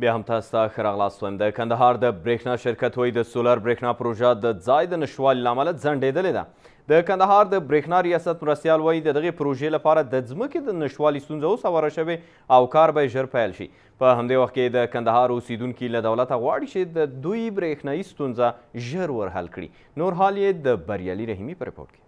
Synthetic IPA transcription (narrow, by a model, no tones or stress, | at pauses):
bjɑɦamt̪ɑst̪axəɾɑɣlɑst̪wajmd̪əkand̪aɦɑɾd̪əbɾexnɑʃɪɾkat̪wɑjid̪əsolaɾbɾexnɑpɾoʒad̪əd͡zɑjd̪ənaʃwɑlilaːmalazaɳɖed̪əled̪a̰ | d̪̥əkand̪aɦɑɾd̪əbɾexnɑɾijɑsat̪mɾast̪jɑlwɑjid̪əd̪aɣepɾoʒelapɑɾad̪əzməked̪ənaʃtwɑlist̪unzaosawaɾaʃəwe | awkɑɾbajeʒəɾpajlʃḭ | pəɦamd̪ewaxt̪ked̪əkand̪aɦɑɾosed̪uŋkilad̪awlat̪aɣwɑɽit͡ʃed̪əd̪ujbɾexnɑjist̪unzaʒəɾwəɾɦa̰lkɽḭ | noɾɦɑljed̪əbaɾjɑ̰liɾaɦimipəɾɪ̰po̰ɾʈ̚ke̥